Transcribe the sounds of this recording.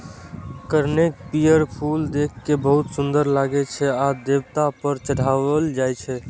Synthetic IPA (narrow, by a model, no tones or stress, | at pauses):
kəɾnek̚pijəɾpʰuld̪ekʰːebəɦut̪sund̪əɾlaɡɛt͡ʃʰɛad̪ebt̪apəɾt͡ʃəɽ̤aʋəld͡ʒajt͡ʃʰɛ